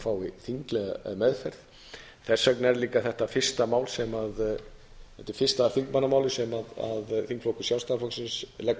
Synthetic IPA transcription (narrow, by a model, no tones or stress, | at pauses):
faːwiθiŋklɛɣa̰mɛðfɛɾð | θɛsːœknɛɾliːkaθɛht̪afɪ̥st̪amaːwlsɛmað | ɛt̪ɪ̥fɪrst̪aθiŋkmanːamaːwlɪsɛmaða̰ðθiŋkflowkʏ̥sjaw̪st̪aːflɔksɪnslɛk